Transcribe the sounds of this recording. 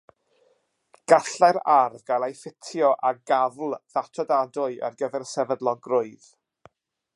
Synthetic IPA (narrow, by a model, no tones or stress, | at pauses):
ɡ̥aɬaɾarvɡalˠajfɪtʰjɔʔaɡavlˠðatʰɔdadʊɨʔə̰rɡəvɛrsɛvədlˠɔɡrʊɨð